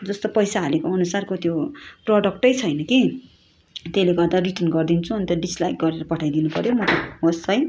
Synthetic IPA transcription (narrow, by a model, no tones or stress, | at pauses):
d͡zʌst̪opʌjsaɦːlekoʌnusarkot̪joprʌɖʌk̚ʈʌjt͡sʰʌjnʌki | t̪eleɡʌrd̪ariʈʌnɡʌrd̪int͡sʰuʌnit̪ʌɖislajk̚ɡʌɾeɾʌpʌʈʰajd̪inupʌɾjomʌt̪ʌɦost͡sʰʌj